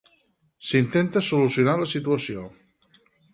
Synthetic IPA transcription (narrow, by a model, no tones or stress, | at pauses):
sint̪ent̪əsulusjunaləsit̪uəsio